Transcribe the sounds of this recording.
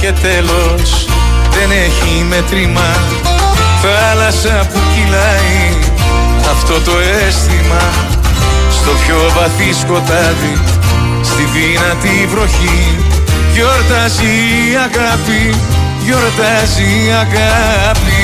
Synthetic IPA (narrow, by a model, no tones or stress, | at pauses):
ce̞t̪e̞lo̞ | s | ðe̞ne̞çi | me̞t̪ɾimɐ | θɐ | lɐsɐpucilɐ | i | ɐft̪o̞t̪o̞est̪imɐ | st̪o̞pço̞vɐθisko̞t̪ɐði | st̪iðinɐt̪ivɾo̞çi | ʝo̞ɾt̪ɐzi | ɐɣɐpi | ʝo̞ɾt̪ɐziɐɣɐpi